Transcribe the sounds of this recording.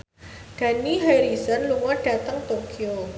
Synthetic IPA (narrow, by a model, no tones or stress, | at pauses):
ɡ̥a̤niɦajɾisərluŋɔɖ̥a̤t̪əŋt̪okio